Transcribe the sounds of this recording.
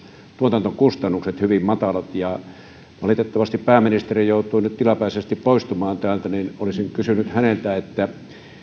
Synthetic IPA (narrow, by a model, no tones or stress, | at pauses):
t̪uot̪ɑnt̪okust̪ɑnːukset̪hyʋimmɑt̪ɑlɑt̪jɑ | ʋɑlit̪et̪ːɑʋɑst̪ippæːminist̪erijoˑut̪ˑuinyt̪t̪ilɑpæˑisest̪ippoist̪umɑːnt̪æːlt̪æninolisiŋkysynyt̪hænelt̪æet̪ːæ